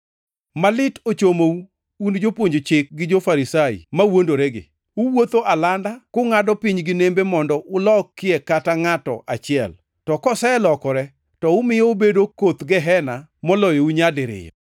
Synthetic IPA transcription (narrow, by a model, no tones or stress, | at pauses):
malɪtot͡ʃomou | und͡ʒopwoɲd͡ʒot͡ʃɪk̚ɡɪd͡ʒofaɾisaḭmawondoɾeɡɪ̰ | ʊwot̪oʔalandakoŋadɔpiɲɡɪnembemɔndɔʔʊlɔkːɪɛkataŋatɔ̰ʔat͡ʃɪɛ̰l | tɔkɔsɛlɔkɔɾɛ | tɔʊmɪjɔʊbedokot̪ɡɛɦɛnamɔlɔjouɲadɪɾɪ̰jɔ